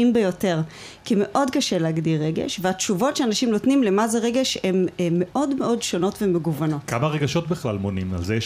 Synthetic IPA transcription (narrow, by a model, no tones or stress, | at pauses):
imbejo̞te̞ʁ | kime̞ʔo̞dkaʃe̞leaɡdiʁːeɡḛʃveat̪t͡ʃuvo̞tʃeanaʃimnotnimle̞mazeʁeɡeʃhemːe̞ʔo̞dmeʔo̞dʃo̞no̞tvemeɡuvano̞tkamaʁeɡaʃo̞tbiχlalmonima̰ze